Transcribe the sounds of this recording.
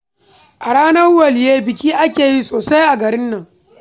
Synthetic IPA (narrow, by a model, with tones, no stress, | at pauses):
ʔa˨ɽaː˦nɐ˦rwɐ˨ljeː˦bɪ˨kʲiː˦ʔa˦kʲeː˨ji˦soː˨sa˦jʔa˨ɡɐ˨ɾɪ˦nːɐ˨ŋ